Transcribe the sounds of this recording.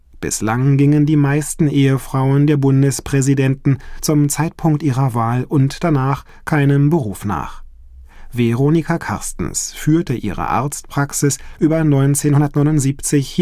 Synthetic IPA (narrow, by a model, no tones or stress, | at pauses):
b̥ɪ̰slaŋɡɪŋəndiːmaɪstn̩ʔeːəfʁ̥aʊəndeːɐbʊndəspʁ̥ɛzidɛntn̩t͡sʊmt͡saɪtpʰʊŋk̚tʔiːʁɐvaːlʔʊntd̥anaːχ | kʰaɪnəmbəʁuːfna̰ːχ | vɛʁoːnikʰakʰa̰ɐstn̩sfyːɐtəʔḭːʁə̰ʔa̰ɐt͡st̚pʁ̥aksɪsʔyːbɐnɔʏnt͡seːnhʊndɐtnɔʏnʊntz̥iːpt͡sɪçh